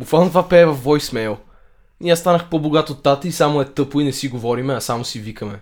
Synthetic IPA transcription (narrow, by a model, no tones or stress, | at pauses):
bukvalˠnot̪vapɛːvɐfvɔjsmɛlˠ | niast̪anəxpoboɡat̪ot̪ːat̪əisamoɛt̪ɤpʊinɛsiɡovɔɾimɛɐsamosivikɐmɛ